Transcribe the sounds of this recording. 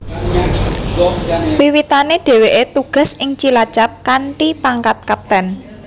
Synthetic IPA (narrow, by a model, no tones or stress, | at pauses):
wiwit̪aneɖ̥e̤weʔet̪uɡ̥a̤sɪŋt͡ʃilḁt͡ʃap̚kaɳʈipaŋkat̪̚kap̚t̪ɛn